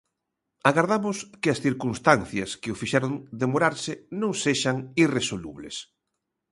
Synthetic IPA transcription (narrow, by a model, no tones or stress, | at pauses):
aɣaɾðamʊskɪɐsθiɾkunst̪anθjɐskeʊfiʃɛɾond̪emoɾaɾsɪnõŋseʃaŋiresolṵβlḛs